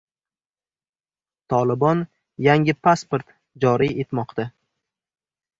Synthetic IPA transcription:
t̪ʰɒlˠɪbɒn | jaŋʲɪpʰaspoɾt̪ | d͡ʒɒɾie̞t̪mɒqt̪a

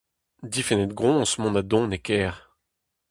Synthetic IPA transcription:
d̪ifɛnɛt̪̚ɡʁɔ̃smɔ̃nad̪ɔ̃nekɛːʁ

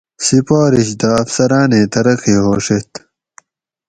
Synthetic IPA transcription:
sipaːɾiɕd̪ɐːfsɐɾaːneːt̪ɐɾɐqiːɦoːʂet̪

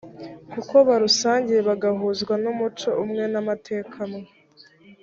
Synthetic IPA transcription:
kuko̞βaɾusaːɲɟije̞βaɡaɦuzɡwanumut͡ʃo̞ʔumŋe̞namatʰe̞ːkʰamo

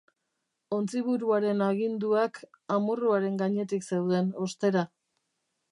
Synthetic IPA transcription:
o̞nt͡siβ̞uɾuaɾe̞naɣind̪uak | amuruaɾe̞ŋɡaɲe̞t̪ikse̞wðe̞no̞st̪e̞ɾa

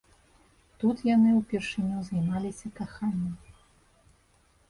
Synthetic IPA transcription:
t̪ut̪janɨuwpʲɛrʂɨnʲuzajmalʲisʲɐkaxanʲːɐm

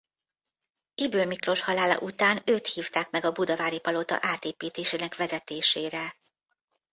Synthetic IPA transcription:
ibøːmikro̞ʃhɒlaːlɒ̰ʔut̪aːnøːt̪hiːft̪aːkmɛɡɒbud̪ɒvaːɾipɒlo̞t̪ɒ̰ʔaːt̪eːpiːt̪eːʃeːnɛkʋɛzɛt̪eːʃeːɾɛ

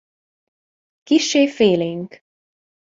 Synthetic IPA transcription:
kiʃːeːfeːleːŋk

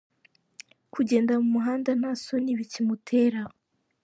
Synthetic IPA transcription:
kuɟe̞ːndamumuɦaːndan̥aso̞niβicimutʰe̞ɾa

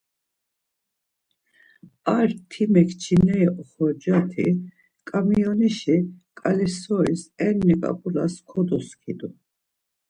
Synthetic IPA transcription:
aɾt̪ʰimɛkʰt͡ʃʰinɛjʔɔχɔɾd͡ʒat̪ʰḭ | kʼamiɔniʃikʼalisɔɾisɛnːikʼa̰pʼula̰skʰɔd̪ɔskʰid̪u

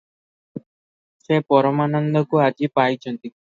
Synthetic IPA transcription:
sepɔɾɔmanɔnd̪ɔkuad͡ʒipajt͡ʃʰɔnt̪i

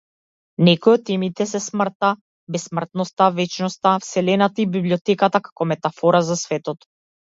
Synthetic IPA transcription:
nɛkɔjɔt̪ːɛmit̪ɛsɛsmr̩t̪a | bɛsmr̩t̪nɔst̪avɛt͡ʃnɔst̪afsɛlɛnat̪aibibliɔt̪ɛkat̪akḁkɔmɛt̪afɔɾazasvɛt̪ɔt̪

